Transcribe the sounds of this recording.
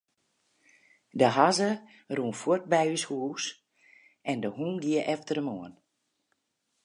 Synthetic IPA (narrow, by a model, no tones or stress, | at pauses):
dəɦazə | ruːnfot̚bɛjyshuːs | ʔɛndəhuːnɡiəʔɛftərəmoən